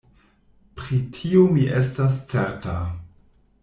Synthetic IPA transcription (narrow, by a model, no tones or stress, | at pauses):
pɾitʰiomiʔestast͡seɾta